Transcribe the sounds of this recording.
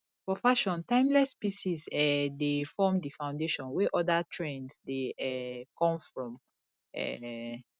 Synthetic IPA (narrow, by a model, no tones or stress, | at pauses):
fɔfaʃɔ̃ntãɪ̃mlɛspisizɛdefɔmdifãw̃ndeʃɔ̃nwɛʔɔdatʰɹɛ̃nsdeɛkɔ̃mfɹɔ̃m | ɛ̰